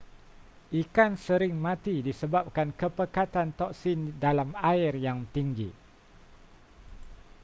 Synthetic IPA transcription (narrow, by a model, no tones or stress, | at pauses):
ʔikansəɾɪŋmãt̪idisəbap̚kankəpəkat̪ant̪ɔk̚sindalamaɪrjaŋt̪iŋɡi